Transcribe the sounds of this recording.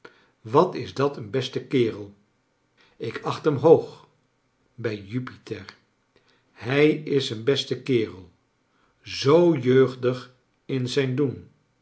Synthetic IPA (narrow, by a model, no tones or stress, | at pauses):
ʋɑtɪzdɑtʰənbɛstəkɪːrəlˠ | ɪkɑχtɦəmɦowχ | bɛjypitɛɹ | hɛjɪsənbɛstəkɪːrəlˠ | zowjøɥχdəχ | ɪnzɛjndun